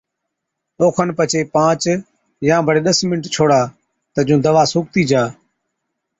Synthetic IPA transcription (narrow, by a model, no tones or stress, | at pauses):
oːkʰənpət͡ʃʰeːpãːt͡ʃ | jãːbʱəɽeːɗəsmɪnəʈt͡ʃʰoːɽaː | t̪əd͡ʒũːd̪əʋaːsʊːk̚t̪iːd͡ʒaː